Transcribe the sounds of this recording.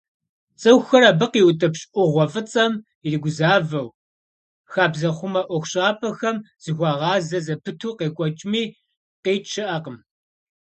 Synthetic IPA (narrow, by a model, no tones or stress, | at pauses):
t͡sʼɨwxɐɾabɨqiːwtʼɐpɕʼʔʷʊʁʷɔfɨt͡sʼɐm | iriɡʷʊzaːvɐw | xaːbzɐχʷʊmɐʔʷɔxʷʊɕʼaːpʰʼɐxɐm | z̥ɨɣʷɑːʁɑːzɐzɐpʰɨtʰuːqeːkʷʼɔt͡ʃʼmiː | qeːt͡ʃʰɪʔɐqəm